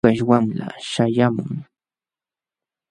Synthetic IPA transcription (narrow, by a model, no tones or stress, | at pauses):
aʃwamla̰ʃajamʊŋ